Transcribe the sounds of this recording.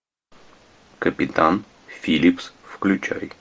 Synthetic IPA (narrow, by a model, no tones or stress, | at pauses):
kəpʲɪt̪an | fʲilʲipsfklʲʉt͡ɕa̰j